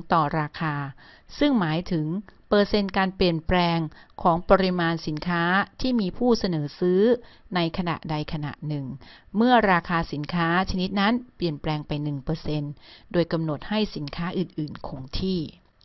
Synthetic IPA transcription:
t̪ɔː˨˩ɾaː˧kʰaː˧sɯ˥˩ŋmaː˩˦jt̪ʰɯ˨˩˦ŋpɤː˧se˧nkaː˧npli˨˩ənplɛː˧ŋkʰɔː˩˦ŋpɔ˧ɾi˦˥maː˧nsi˩˦nkʰaː˦˥t̪ʰiː˥˩miː˧pʰuː˥˩sa˧nɤː˩˦sɯː˦˥na˧jkʰa˧na̰˨˩ʔda˧jkʰa˧na̰˨˩ʔnɯ˨˩ŋmɯ˥˩ɐɾaː˧kʰaː˧si˨˩˦nkʰaː˦˥t͡ɕʰa˧ni˦˥t̪̚na˦˥npli˨˩ənplɛː˧ŋpa˧jnɯ˨˩ŋpɤː˧se˧ndoː˧jka˧mno˨˩t̪̚ha˥˩jsi˩˦nkʰaː˦˥ʔɯ˨˩nʔɯː˨˩nkʰo˧ŋt̪ʰiː˥˩

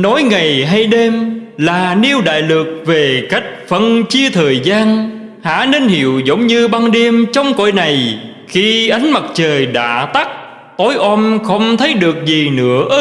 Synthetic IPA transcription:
nɔ˨˦jŋa˨˩jɦa˧jɗe˧mlaː˨˩ni˧əwɗa̰ː˧˨jlɨ˨˩k̚ve˨˩ka˦˥k̟̚fə˧nt͡ɕi˧ət̪ʰəː˨˩jzaː˧n | ha̰ː˧˥ne˧nhḭ˧˨əwzə˨˦wŋ͡mɲɨ˧ɓaː˧nɗe˧əmt͡ɕɔ˧wŋ͡mko̰˧˨jna˨˩j | xi˧ʔə˨˦jŋ̟ma˨˩t̚t͡ɕəː˨˩jɗa̰ː˧˥t̪a˦˥k̚ | t̪o˨˦jʔɔ˧mxə˧wŋ͡mt̪ʰə˨˦jɗɨ˨˩ək̚zi˨˩nɨ̰˧˥ə

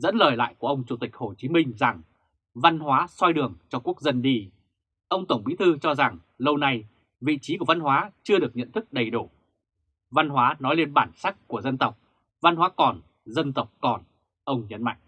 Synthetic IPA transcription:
zə̰˧˥nləː˨˩jla̰ː˧˨jku˧˩əʔə˧wŋ͡mt͡ɕu˧˩t̪ï˨˩k̟̚ho˨˩t͡ɕi˨˦mï˧ŋ̟za˨˩ŋ | va˧nɦwaː˨˦swa˧jɗɨ˨˩əŋt͡ɕɔ˧ku˦˥ək̚zə˧nɗi˧ | ʔə˧wŋ͡mt̪ə˧˩wŋ͡mɓi˨˦˥t̪ʰɨ˧t͡ɕɔ˧za˨˩ŋ | lə˧wna˧j | vḭ˧˨t͡ɕi˨˦ku˧˩əva˧nɦwaː˨˦t͡ɕɨ˧əɗɨ˨˩ək̚ɲə̰˧˨nt̪ʰɨ˦˥k̚ɗə˨˩jɗu˧˩ | va˧nɦwaː˨˦nɔ˨˦jle˧nɓaː˧˩nsa˦˥k̚ku˧˩əzə˧nt̪ə˨˩wk͡p̚ | va˧nɦwaː˨˦kɔ˨˩n | zə˧nt̪ə˨˩wk͡p̚kɔ˨˩n | ʔə˧wŋ͡mɲə˨˦nma̰˧˨jŋʔ

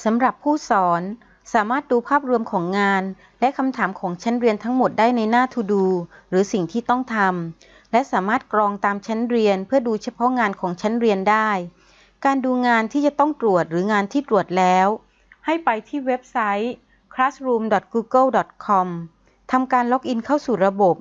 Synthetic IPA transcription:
sa˩˦mɾa˨˩pʰːuː˥˩sɔː˩˦n | saː˩˦maː˥˩t̪̚duː˧pʰaː˥˩p̚ɾu˧mkʰɔː˩˦ŋːaː˧n | lɛ˦˥ʔkʰa˧mt̪ʰaː˩˦mkʰɔː˩˦ŋt͡ɕʰa˦˥nɾi˧ənt̪ʰa˦˥ŋmo˨˩t̪̚daː˥˩jna˧jnaː˥˩t̪ʰu˧duː˧ɾɯː˩˦si˨˩ŋt̪ʰiː˥˩t̪ɔ˥˩ŋt̪ʰa˧m | lɛ˦˥ʔsaː˩˦maː˥˩t̪̚kɾɔː˧ŋt̪aː˧mt͡ɕʰa˦˥nɾi˧ənpʰɯ˥˩əduː˧t͡ɕʰa˧pʰɔ˦˥ŋaː˧nkʰɔː˩˦ŋt͡ɕʰa˦˥nɾi˧əndaː˥˩j | kaː˧nduː˧ŋaː˧nt̪ʰiː˥˩t͡ɕa˨˩t̪ɔ˥˩ŋt̪ɾu˨˩ət̪̚ɾɯː˩˦ŋaː˧nt̪ʰiː˥˩t̪ɾu˨˩ət̪̚lɛː˦˥w | ha˥˩jpa˧jt̪ʰiː˥˩we˦˥p̚sa˦˥j | kʰɾaː˦˥sɾuː˧mdɔ˨˩t̪̚kuː˧kɤ˥˩wdɔ˨˩t̪̚kʰɔ˧m | t̪ʰa˧mkaː˧nlo˦˥k̚ʔi˧nkʰa˥˩wsuː˨˩ɾa˧bo˨˩p̚

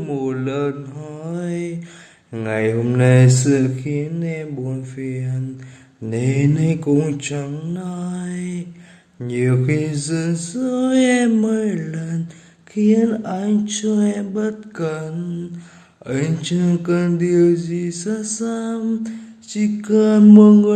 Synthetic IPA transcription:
mo˨lə˧nɦɔ˧˦j | ŋa˨jɦu˨˧mna˧jsɨ˧˨kʰi˧ə˦nɛ˧ɓo˧˨nfi˧ə˧nː | e˨nə˧jkʊ˧ŋt͡ʃə˧˦ŋna˧j | ɲi˨əwki˧zə˧nsə˧˦jɛ˧mːə˧jlə˧˨n | xi˧˦ənʔa˧ɲt͡ɕɔ˧˦ɛ˧mɓə˦˥t̚kə˧˨n | ʔə˨˧˦ɲt͡ɕɨ˧ŋkə˧nɗi˨əwzi˨˩sa˧˦˥sa˧mt͡ɕi˧kə˧nmo˧ŋ˧

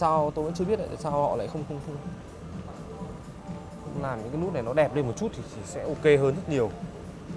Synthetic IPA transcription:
saː˧wt̪o˧jvə̰˧˥nt͡ɕɨ˧ɓi˦˥ət̚la̰˧˨a̰ː˧˨˩saː˧whɔ̰˧˨la̰ː˧˨xə˧wŋ͡mxə˧wŋ͡mt̪ʰɨ˧ŋ | kʊ̰˧ŋ͡mlaː˨˩mɲɨ̰˧˥kaː˨˦nu˦˥t̚n˨˩jnɔ˨˦ɗɛ˨˩p̚le˧nmo˨˩t̚t͡ɕu˦˥t̚t̪ʰi˨˩t͡ɕi˨˩sɛ̰˧˥ʔo˧ke˧ɦəː˧nzə˦˥t̚ɲi˨˩əw

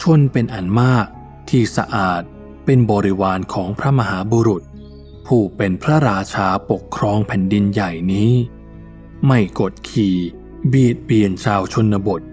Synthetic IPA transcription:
t͡ɕʰu˥˩ənpe˧nʔa˨˩nmaː˥˩k̚ | t̪ʰiː˧˩sa̰˧ʔaː˨˩t̪̚ | pe˧nbɔː˧ɾi˦˥waː˧nkʰɔː˩˦ŋpʰɾa˦˥ma˧ɦaː˩˦buː˧ɾu˨˩t̪̚ | pʰuː˧˩pe˧npʰɾa˦˥ɾaː˧t͡ɕʰaː˧po˨˩kʰːɾɔː˧ŋpʰɛ˨˩˦ndi˧nja˨˩jniː˦˥ | ma˧˥˩jko˨˩t̪̚kʰiː˨˩ | biː˨˩ət̪̚bi˨˩ənt͡ɕʰaː˧wt͡ɕʰo˧nːa˧bo˨˩t̪̚

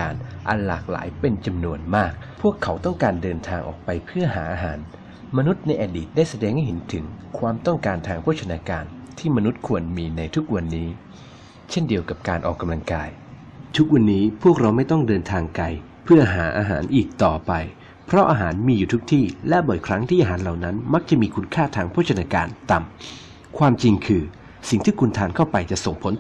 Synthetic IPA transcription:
aː˧nʔa̰˧nla̰ː˨˩k̚la̰ː˩˦jpe˧nt͡ɕa˧mnu˧ənmaː˥˩k̚pʰu˥˩əkʰːa˩˦˥wt̪ɔ˥˩ŋkaː˧ndɤː˧nt̪ʰaː˧ŋʔɔ̰ː˨˩k̚pa˧jpʰɯ˥˩ɐɦaː˩˦ʔaː˧ɦaː˩˦n | ma˧nu˦˥t̪̚na˧jʔaː˧diː˨˩t̪̚daː˥˩jsa˧dɛː˧ŋha˥˩jɦe˩˦nt̪ʰɯ˩˦ŋkʰwaː˧mt̪ɔ˥˩ŋkaː˧nt̪ʰaː˧ŋpʰuː˥˩t͡ɕʰa˧naː˧kaː˧nt̪ʰiː˥˩ma˧nu˦˥t̪̚kʰu˧ənmiː˧na˧jt̪ʰu˦˥k̚wa˧nːiː˦˥ | t͡ɕʰe˥˩ndi˧əwka˨˩p̚kaː˧nʔɔ̰ː˨˩kːa˧mla˧ŋkaː˧j | t̪ʰu˦˥k̚wa˧nːiː˦˥pʰu˥˩ək̚ɾa˧wma˥˩jt̪ɔ˥˩ŋdɤː˧nt̪ʰaː˧ŋka˧j | pʰɯ˥˩ɐɦaː˩˦ʔaː˧ɦa̰ː˩˦nʔiː˨˩k̚t̪ɔː˨˩pa˧j | pʰɾɔ˦˥ʔaː˧ɦaː˩˦nmiː˧juː˨˩u˦˥k̚t̪ʰiː˥˩lɛ˦˥bɔː˨˩jkʰɾa˦˥ŋt̪ʰiː˥˩ʔaː˧ɦaː˩˦nla˨˩wna˦˥nma˦˥k̚t͡ɕa˨˩ʔmiː˧kʰu˧˥nkʰaː˥˩t̪ʰaː˧ŋpʰu˥˩t͡ɕʰa˧naː˧kaː˧nt̪a˨˩m | kʰwaː˧mt͡ɕi˧ŋkʰɯː˧ | si˨˩ŋt̪ʰiː˥˩kʰu˧nt̪ʰaː˧nkʰa˥˩wpa˧jt͡ɕa˨˩ʔso˨˩ŋpʰo˨˦n

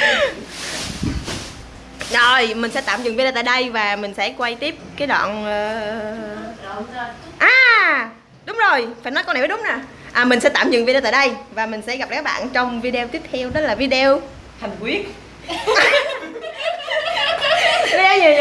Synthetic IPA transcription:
ɗo˨˩jmï˨˩ŋ̟sɛ̰˧˥t̪aː˧˨mzɨ̰˧˨ŋvɗeː˧t̪aː˧˨jɗə˧jvaː˨˩mï˨˩ŋ̟sɛ̰˧˥kwa˧jt̪i˦˥əp̚kaː˨˦jɗa̰ː˧˨nʔəː˨˩ | ʔaː˨˩ | ɗʊ˨˦ŋ͡mzo˨˩jfaː˧˩jnɔ˨˦jko˧na˨˩və˨˦˥ɗʊ˨˦ŋ͡mnaː˨˩ | ʔaː˨˩mï˨˩ŋ̟sɛ̰˧˥t̪aː˧˨mzɨ̰˧˨ŋvi˧e˧t̪aː˧˨jɗə˧jvaː˨˩mï˨˩ŋ̟sɛ̰˧˥ɣa˨˩p̚a˨kːa˦˥k̚ɓa̰ː˧˨nt͡ɕɔ˧wŋ͡mvi˧ɗe˧t̪i˦˥əp̚t̪ʰɛ˧wɗɔ˨˦laː˨˩vi˧ɗe˧w | h̪ʰa˨˩jŋ̟kwi˦˥ət̚ː | vi˧˨

